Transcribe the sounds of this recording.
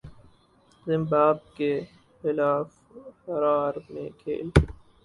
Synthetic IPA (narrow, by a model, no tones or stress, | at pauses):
zɪmbaːb̚ke | xɪlaːf | hɐɾaːɾmḛ̃kʰḛːl